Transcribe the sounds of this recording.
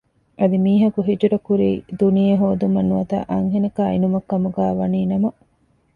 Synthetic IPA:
ʔɐd̪imiːɦɐkuɦid͡ʒuɾɐkuɾiːd̪unijɐɦoːd̪umɐnuɐt̪ɐ̰ʔɐŋɦenɐkaːinumɐkːɐmuɡæːʋɐniːnɐmɐ

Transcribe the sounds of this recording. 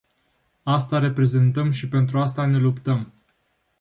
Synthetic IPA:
ast̪aɾe̞pɾe̞ze̞nt̪əmʃipe̞nt̪ɾuast̪ane̞lupt̪əm

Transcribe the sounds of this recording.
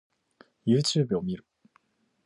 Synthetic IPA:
jɯ̟ːt͡ɕɨːbɯo̞mʲiɾɯ̟

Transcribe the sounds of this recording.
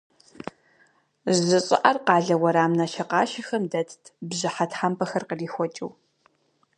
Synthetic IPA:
zzɨɕʼɪ̰ʔɐrqɑːɮɐwɐɾaːmnɐʃɐqɑːʃɐxɐmdɐtʰtʰbʑɪħatħampʰɐxɐrqəriːxʷɔt͡ʃʼɪ̰w

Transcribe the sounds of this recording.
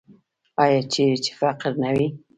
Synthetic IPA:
ajat͡ʃiɾɪt͡ʃɪ̥faqəɾnawi

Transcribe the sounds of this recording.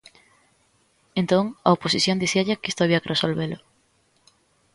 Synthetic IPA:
ẽnt̪õŋa̰oposiθjõnd̪iθiaʎakist̪oaβ̞iɐkeresolβelʊ

